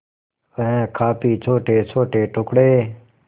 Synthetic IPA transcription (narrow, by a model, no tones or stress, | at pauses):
əɦẽːkʰaːpiːt͡ʃʰoːʈeːt͡ʃʰoːʈeːʈʊkɽeː